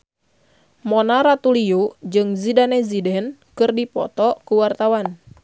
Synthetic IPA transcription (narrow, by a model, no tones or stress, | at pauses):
mɔnaɾat̪uliud͡ʒɨŋzidanɛzidɛnkɨrdipɔ̰t̪ɔkuwart̪awan